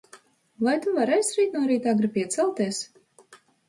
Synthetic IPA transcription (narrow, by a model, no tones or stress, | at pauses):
vajt̪uvaɾɛjsɾiːt̪̚nuɔɾiːt̪aɡɾɨpʲiɛt̪sɛlˠt̪iɛs